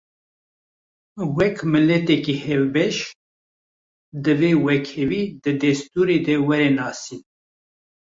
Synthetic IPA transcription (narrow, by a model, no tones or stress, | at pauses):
wɛkmɨlɛt̪ɛkihɛvbɛʃ | d̪ɨveːwɛkʰhɛviːd̪ɨd̪ɛst̪uːɾeːd̪ɛwɛɾenɑːsiː